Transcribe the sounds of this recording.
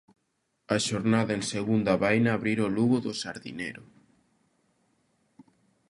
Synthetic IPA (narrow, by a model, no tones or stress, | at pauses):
aʃoɾnaðaenseɣund̪aβajnaːβɾiɾoluɣoðosaɾðḭneɾo